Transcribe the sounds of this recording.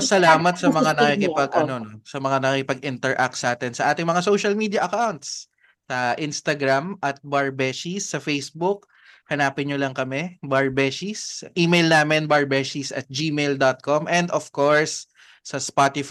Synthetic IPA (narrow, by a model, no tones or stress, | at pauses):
sɐlaːmɐt̪̚sɐmɐŋanɐkikɪpɐɡʔɐnonosɐmɐŋanɐkiɪkɪpɐɡʔɪnt̪ɛɹʔak̚t̪sʔaːt̪ɛnsɐʔaːt̪ɪŋmɐŋasowʃɐlmiːd̪jɐʔɐkawnt̪sː | ɐʔɪnst̪ɐɡɾamʔɐt̪̚baɹbɛʃisːɐfejsbʊk̚ | hɐnaːpɪnɲolɐŋkɐmɛbaɹbɛʃisʔiːmejlnaːmɛnbɐɹbɛʃisɐ̰t̪̚d͡ʒiːmejld̪ot̪̚komʔɛnd̪ofkoɹsː | ɐspat̪ɪf